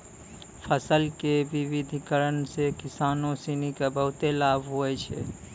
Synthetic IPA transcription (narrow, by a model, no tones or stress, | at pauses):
pʰəsəlkeʋiʋid̪ʱikəɾənsekisanosinikebəɦʊt̪elabʱɦoɛt͡ʃʰɛ̰